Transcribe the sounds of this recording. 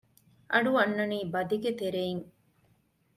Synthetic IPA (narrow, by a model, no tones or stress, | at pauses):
ʔɐɖuɐnːɐniːbɐd̪iɡet̪eɾeiŋ